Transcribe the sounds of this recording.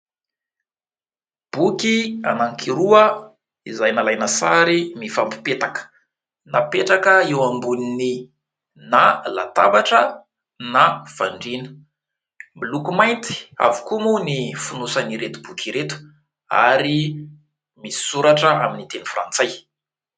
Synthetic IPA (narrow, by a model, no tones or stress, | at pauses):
b̥ukianaŋkiɾuə | izajnalajnasaɾimifampi̥pet̪akə̥ | napeʈ͡ʂakəiwambunini | nala̰t̪abaʈ͡ʂə | nav̥aɳɖ͡ʐinə̥ | milukumajnt̪i̥a̰vu̥kumunifunusaniɾet̪ubukʰʲiɾet̪u̥ | a̰ɾi | misi̥suɾaʈ͡ʂəaminit̪enifra̰nt͡saj